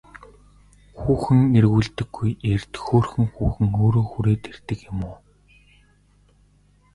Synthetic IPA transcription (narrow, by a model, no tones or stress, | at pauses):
xuːxɘ̆ŋerɣuːɮt̪ɘ̆ɡ̥ːujert̪xoːrxɘ̆ŋxuːxɘ̆ŋoːɾoːxuɾeːt̪er̥t̪ɘ̆kɪmʊː